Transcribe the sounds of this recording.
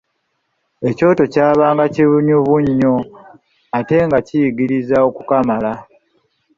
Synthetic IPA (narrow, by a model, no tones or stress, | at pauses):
e̞co̞ːto̞caːβaːŋɡaciβuɲuβuɲːo̞ | ate̞ŋɡacijiɡiɾizao̞kukamala